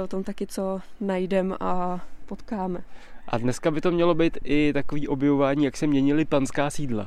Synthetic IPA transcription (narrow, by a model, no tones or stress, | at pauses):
ʔot̪o̞mt̪akɪt͡so̞najdɛmʔapot̪kaːmɛʔa̰dnɛskabɪt̪o̞mɲɛlo̞biːt̪ʔɪt̪ako̞viːʔo̞bjɛvo̞vaːɲiːjaksɛmɲɛɲɪlɪpanskaːsiːdla̰